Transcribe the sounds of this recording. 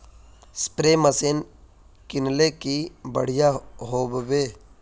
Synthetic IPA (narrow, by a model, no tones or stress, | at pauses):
spɾeːməsen | kɪnlekibə̰ɽ̤ijaɦoːbbeː